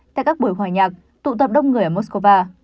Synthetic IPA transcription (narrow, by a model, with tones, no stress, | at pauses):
t̪a̰˧˨kaː˦˥k̚ɓu˨˩əjɦwaː˨˩jɲaː˨˩k̚ | t̪ṵ˧˨t̪ə˨˩p̚ɗə˧wŋ͡mŋɨ˨˩əjʔəː˨˩mo˦˥sko˧vaː˧